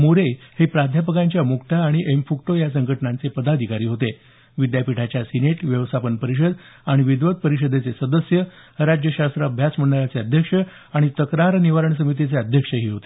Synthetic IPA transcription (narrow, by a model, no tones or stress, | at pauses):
muɾehepɾad̪ʱjapəkãɲt͡ɕjamukʈ̪aːɽ̃iʔemfukʈojas̬əŋɡʱəʈnãnt͡sepəd̪ad̪ʱikaɾiːɦot̪e | ʋid̪japiʈʰat͡ɕjasineʈʋjəʋst̪ʰapənpəɾiɕ̬əd̪ | aɽ̃iʋid̪ʋət̪̚pəɾiɕ̬əd̪ʱet͡sesəd̪əsjəɾad͡ʑjəɕast̪ɾabʱjat͡sm̤əɳɖaɾat͡seəd̪ʱjəkʂə | aɽ̃it̪əkɾaɾniʋaɾəɳs̬əmit̪̬it͡seəd̪ʱjəkʂəɦiːɦot̪e